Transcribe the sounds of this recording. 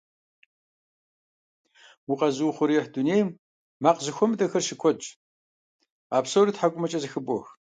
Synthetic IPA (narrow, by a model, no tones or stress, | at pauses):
wʊqɐzɨwʊχʷʊɾiɛħduneːjmː | aːqzɨxʷɔmɨtʼɐxɐrʃɪkʷʰɔt͡ʃʼ | aːpsoːriːtħakʷʼʊmɐt͡ʃʼɐzɨxɨbʷʼɔx